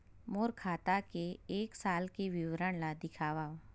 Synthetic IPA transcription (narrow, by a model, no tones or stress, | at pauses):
moːɾkʰaːt̪akeeːksaːlkeʋɪwɾəɳ̃lad̪ɪkʰaːʋaː